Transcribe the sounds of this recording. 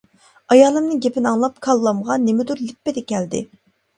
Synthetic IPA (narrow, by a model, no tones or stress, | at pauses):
ɑjɑːlˠɨmnɨŋɡʲepɪnɑŋlˠɑp̚kʰɑlˠːɑmʁɑnːemɪd̪uɾlɪpːɪd̪ɛkʲʰɛld̪ɪ̰